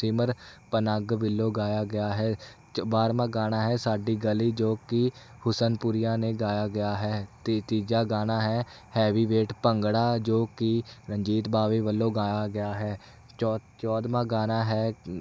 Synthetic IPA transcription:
siːməɾpənaɡbɪlːoːɡaːjaːɡɪjaːɦɛː | baːɾmãːɡaːnaːɦɛːsaːɖiːɡəliːd͡ʒoːkɪ | hʊsənpʊɾɪjãːneːɡaːjaːɡɪjaːɦɛːt̪ːt̪iːd͡ʒaːɡaːnaːɦɛː | hɛːʋiːʋeːʈpəŋɡɽaːd͡ʒoːkɪɾəɲd͡ʒiːt̪baːʋeːʋəlːõːɡaːjaːɡɪjaːɦɛː | t͡ʃːt͡ʃɔːd̪mãːɡaːnaːɦɛː

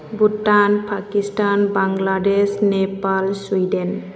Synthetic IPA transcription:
butanpʰakistanbaŋladesnɛpalswidɛn

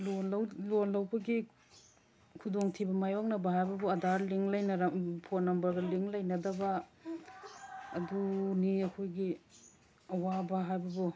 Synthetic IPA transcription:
lowlonlawbɐɡi | kʰudoŋtʰibɐmajɔk̚nɐbɐɦajbɐbuɐdaɾliŋlɐjnɐɾpʰonːɐmbɐɾɡɐliŋlɐjnɐdɐbɐ | duniɐkʰojɡi | ɐwabɐɦajbɐbu

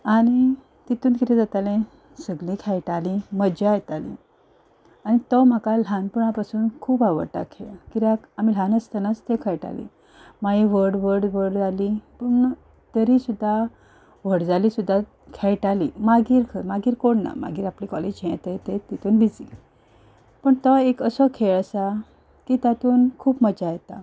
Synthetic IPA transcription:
aɽ̃i | t̪it̪uːnkiɾẽd͡zat̪alẽ | səɡlĩkʰɛjʈalĩməd͡ʑajɛt̪alḭ̃ | anit̪ɔm̤akal̤anpuɳapasuːnkʰuːbaʋə̰ɾʈa̰kʰekiɾa | amiːl̤anəst̪ənat͡st̪ekʰɛjʈa̰lḭ | maiʋəɾɽʋəɽʋəɽd͡zalipəɳ | t̪əɾisud̪ʱːa | ʋ̤əɽd͡zalisud̪ʱːa | kʰejʈalimaɡiːɾkʰəmaɡiːɾkoɳna̰ma̰ɡiːɾaplikɔled͡ʑɦɛ̃t̪et̪et̪it̪uːnbid͡zḭ | pəɳt̪ɔekəsɔkʰeɭəsa | kit̪at̪uːnkʰuːbməd͡ʑajet̪a̰

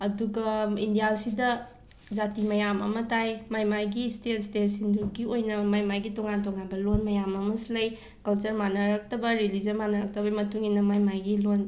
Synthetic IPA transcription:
ɐduɡɐindijasidɐ | d͡ʒatimɐjamɐ̰mɐtajmajmajɡistetstetsinduɡiojnɐmajmajɡitɔŋantɔŋanbɐlonmɐjamɐmɐsilɐj | kɐlt͡ʃɐɾmanɐɾɐk̚tɐbɐɾilizɐnmanɐɾɐk̚tɐbɐimɐtuŋinɐmajmajɡilon

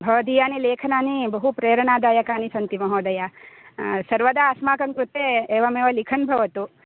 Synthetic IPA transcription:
bʱɐʋɐd̪iːjaːnileːkʰɐnaːnibɐɦupɾeːɾɐɳaːd̪aːjɐkaːnisɐnt̪imɐɦoːd̪ɐja | sɐɾʋɐd̪aːsmaːkɐŋkɾut̪eːeːʋɐmeːʋɐlikʰɐnbʱɐʋɐt̪u

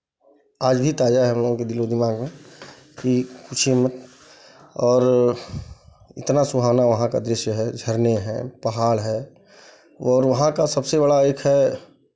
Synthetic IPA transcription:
aːd͡ʒbʱit̪aːd͡ʒaɛɦɐmloːɡõked̪ɪlod̪ɪmaːɡmẽ | kikʊt͡ʃʰimət̪ | ɔːɾ | ɪ̰t̪nasʊbʱaːʋnaʋɐɦãka̰d̪ɾɪʃjɦɛd͡ʒʱəɾneɦɛ̰pəɦaːɭɦɛː | ɔːɾʋɐɦãkasɐbsebəɽaeːkʰɦɛ

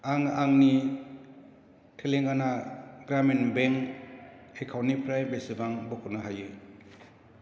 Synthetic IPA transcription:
aŋaŋni | tʰeleŋanaɡɾamenbeŋ | ekʰawnipʰɾajbesɯbaŋbɔkʰunaɦajɯ

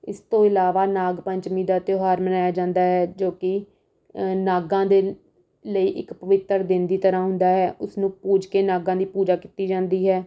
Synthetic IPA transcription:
ɪst̪õːɪlaːʋaːnaːɡpəɲt͡ʃmĩːd̪aːt̪joːɦaːɾmənaːjaːd͡ʒãːnd̪aːɦɛːd͡ʒoːkɪ | naːɡãːd̪eː | ləiːʔɪkpəʋɪt̪ːəɾd̪ɪnd̪iːt̪əɾãːɦʊ̃nd̪aːɦɛːʔʊsnũːpuːd͡ʒkeːnaːɡãːd̪iːpuːd͡ʒaːkiːt̪iːd͡ʒãːnd̪iːɦɛː

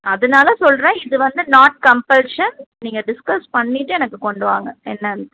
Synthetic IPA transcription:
ɐðɐnaːlɐsɔlɾẽːɪðɯʋɐnd̪ɯnaːʈ̚kɐmpɐlʂɐnniːŋɡɐɖɪskɐspɐɳːɪʈːɯɛnɐkːɯkɔɳɖɯʋa̰ːŋɡɐɛnːɐnd̪

